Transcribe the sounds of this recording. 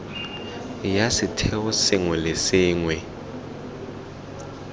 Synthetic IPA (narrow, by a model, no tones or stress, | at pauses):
jasitʰɛusiŋwɛlesiːŋwɛ